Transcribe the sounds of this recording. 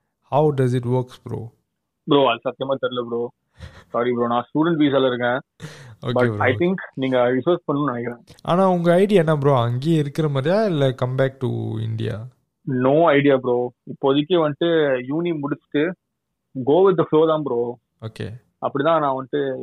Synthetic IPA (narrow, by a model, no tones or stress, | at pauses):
hɐʊɖɐzɪʈ̬ʋɐɾkspɾo̰ː | bɪɾoːɐlsɐt̪ːjɐmaːt̪ɐɾɪlɐbɾoː | saːɾipɾoːnãːsʈuːɖɛɳʈʋiːs̬alɐɪɾɯkːẽːo̰ːbɐepɐɪt̪ɪŋknĩːŋɡɐɾɪfɐɾspɐɳːɯmnɐnɛkːɪɾẽːʔa̰ːnãːʊŋɡɐɐɪɽɪjaɛnːaːbɾoːɐŋɡeːɪɾɯkːɪɾɐmaːd̪ɾɪjaːɪlːɐkɐmbɛːk̚ʈṵɪ̰ɳɖɪja̰ː | noːɐɪɖɪjaːbɾoːɪpːoːɐðɯk̬ːeʋɐnʈɯjuːnimʊɽɪt͡ʃːɪ̥ʈːɯ | ɡoːʋɪt̪̚d̪ɐfloːt̪ãːbɾoː | oːkḛː | ʔɐpːɐɽit̪ãːnãːʋɐnʈɯ